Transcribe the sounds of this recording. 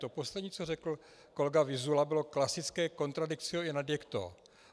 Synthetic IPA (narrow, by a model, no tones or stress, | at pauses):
t̪opo̞slɛdɲiːt͡sorɛkl̩ | ko̞lɛɡavɪzulabɪlo̞klasɪt͡skɛːko̞nt̪ɾadɪkt͡sɪoɪnadjɛkt̪o̰ː